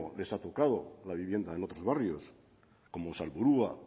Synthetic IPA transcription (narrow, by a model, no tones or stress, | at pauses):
le̞sat̪o̞kað̞o̞laβiβje̞nd̪aenot̪ɾo̞zβarjo̞s | ko̞mosalβuɾua